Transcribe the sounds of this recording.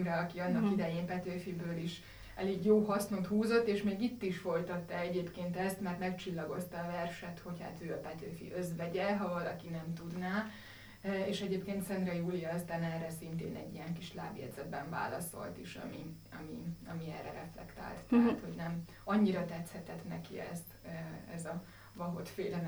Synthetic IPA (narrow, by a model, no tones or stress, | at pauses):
ɾɛɒkiɒnːɒkid̪ɛjeːmpɛt̪øːfibøːliʃ | ɛleːɡjoːɦɒsnot̪huːzot̪ːeːʃmeːɡit̪ːiʃfo̞jt̪ɒt̪ːɛɛɟeːpkeːnt̪ɛst̪mɛrt̪mɛkt͡ʃilːɒɡo̞st̪ɒːvɛrʃɛt̪ho̞cha̰ːt̪øːɒpɛt̪øːfḭʔøzʋɛɟɛɦɒvɒlɒkinɛmt̪ud̪naː | eːʃɛɟeːpkeːnt̪sɛnrɛjuːlijɒst̪aːnɛrɛsint̪ḛːnɛ̰ɟːijɛŋkiʃla̰ːbjɛ̰d̪zɛd̪bɛɱva̰ːlɒ̰so̞̰lt̪iʃɒ̰mi | ɒmiɒmiɛːrɛɾɛflɛ̰kt̪a̰ːlt̪t̪ɛɦat̪ho̞ɟnɛm | ɒɲːiɾɒt̪ɛt̪shɛt̪ɛt̪nɛkiɛ̰st̪ɛzɒ | vɒɦo̞t̪feːlɛn